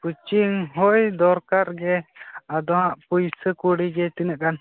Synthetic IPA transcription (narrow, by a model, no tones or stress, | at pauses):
put͡ʃiŋɦɔjd̪ɔɾkaɾɡɛad̪ɔɦãʔpujsəkuɽiɡɛt̪inəʔkan